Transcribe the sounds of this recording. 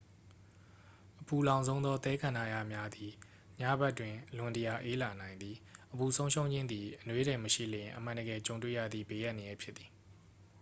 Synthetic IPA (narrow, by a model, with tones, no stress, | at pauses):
ʔəpʰu˨lã˨ʊ̃zõ˦ʊ̃nd̪ðɔ˦t̪ɛ˦kʰã˨na˦˨ja˦˨mja˦d̪i˨ | ɲa˦ba˦ʔtwɪ̃˨lʊ̃˨ntəja˨ʔe˦la˨nã˨ɪ̃nd̪ði˨ʔəbu˨sʰõ˦ʊ̃ʃʰõ˦ʊ̃ɲd͡ʑɪ̃˦nd̪i˨ʔənwe˦ɾɛ˨məʃḭ˦˨lɪ̃˨ʔəmã˨ndəɡɛ˨t͡ɕõ˨ʊ̃twḛ˦˨jä̰˦˨d̪ðḭ˦˨be˦˨ja˦ʔnə˨jɛ˦pʰjɪ˦t̪ːi̥˨